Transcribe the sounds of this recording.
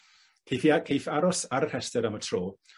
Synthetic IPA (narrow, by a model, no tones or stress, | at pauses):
kʰejfiakʰejfaɾɔsaɾəhɛstəɾəmətʰroː